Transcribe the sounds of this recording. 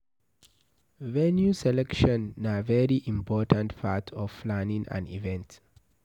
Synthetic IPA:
vɛnjusɛlɛkʃɔ̃nːavɛɹiʔĩmpʰɔtãntpʰatʰɔv̥fplanĩŋã̰nḭvɛ̃nt

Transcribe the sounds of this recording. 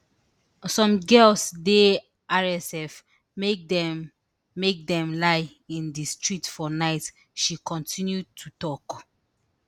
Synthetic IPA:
sɔ̃mɡɛlsde | aɹɛsɛf | mekdɛ | mek̚dɛ̃mlaɪ | ĩndistɹitfɔnaɪt | ʃikʰɔ̃ntĩnjud̚tʰutɔk

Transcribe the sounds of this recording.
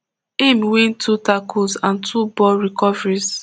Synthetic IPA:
emwĩntʰutakusãntʰubɔɹikɔvɹis

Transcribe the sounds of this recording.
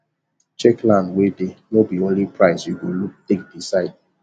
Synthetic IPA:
t͡ʃɛklãndwedenobiõnlipʰɹaɪsjuɡoluk̚tek̚disaɪd̚

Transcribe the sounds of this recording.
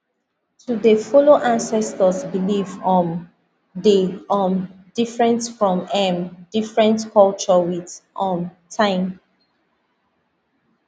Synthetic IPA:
tudefɔloʔãnsɛstəsbilivɔ̃n | deɔmdifɹɛ̃ntfɹɔ̃mɛ̃mdifɹɛ̃ntkʰɔlt͡ʃɔwiðʔɔ̃mtʰãɪ̃m

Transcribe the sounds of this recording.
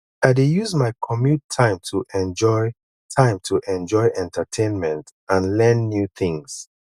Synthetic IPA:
aɪdijuzmaɪkʰɔmjutʰːãɪ̃mtʰuʔɛ̃nd͡ʒɔɪ | tʰãɪ̃mtʰuʔɛ̃nd͡ʒɔɪʔɛ̃ntʰətʰẽnmɛ̃nt | ãnlɛ̃nːjuθĩŋs

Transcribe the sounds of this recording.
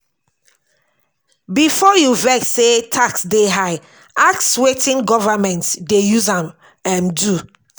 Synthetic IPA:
bifɔjuvɛksetʰaksdeɦaɪ | akswetĩnɡɔvamɛ̃ntdejuzãm | ɛ̃mdu

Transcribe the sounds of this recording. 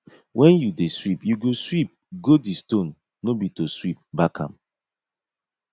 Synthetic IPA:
wʔɛ̃njudeswipjuɡoswip̚ɡodistõnː | obitoswip̚bakʰã̰m

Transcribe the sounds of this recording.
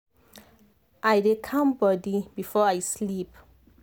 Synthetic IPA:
ʔajdekʰãmbɔdibifɔajslip

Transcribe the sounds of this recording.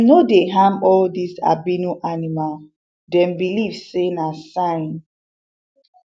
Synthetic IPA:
nodeɦãmɔldisa̰binuʔanimal | dɛ̃mbilivsenasãɪ̃n

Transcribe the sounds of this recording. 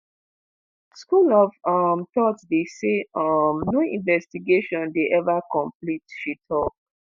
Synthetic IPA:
skulɔvɔmtɔtsdeseɔmnoĩnvɛstiɡeʃɔ̃ndeʔɛvakɔ̃mplitʃitʰɔk̚

